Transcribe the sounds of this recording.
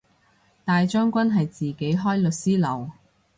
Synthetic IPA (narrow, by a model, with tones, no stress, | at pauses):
t̪aː˨jt͡ʃœː˥ŋkʷɐ˥nɦɐ˨jt͡siː˨ke˨˥jɦɔː˥jlɵ˨t̚siː˥lɐ̰˨˩w